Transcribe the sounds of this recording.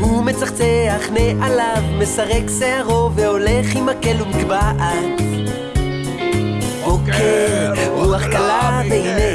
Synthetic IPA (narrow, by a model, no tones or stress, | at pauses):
humet͡saχt͡seaχneʔalavme̞saʁekseaʁo̞veo̞leχimakelumkbaʔa | bokʰeʁuaχkalavehine